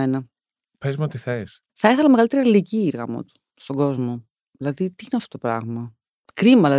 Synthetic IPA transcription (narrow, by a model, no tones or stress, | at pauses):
enɐ | pezmot̪iθes | θɐeθelɐmeɣɐlit̪eɾiɐiliciiɾɣɐ̰mo̰t̪o̥ | st̪o̞ɡo̞zmo̞ | ðilɐðit̪iineɐft̪ot̪opɾɐ̰ɣmɐ | kɾimɐlɐ